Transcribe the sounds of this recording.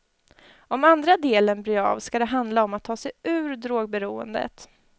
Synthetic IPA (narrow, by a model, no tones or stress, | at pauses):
ɔmand̪ɾad̪eːlənbɾyːɑ̰ːvskad̪ɛɦand̪laɔmːat̪ʰːɑːsɛjʉ̟ːɾd̪ɾoːɡ̚bɛɾuːə̰nd̪ə̰t̪